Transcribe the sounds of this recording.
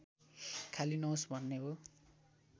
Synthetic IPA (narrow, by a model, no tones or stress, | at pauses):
kʰalinʌsbʱʌnːeɦo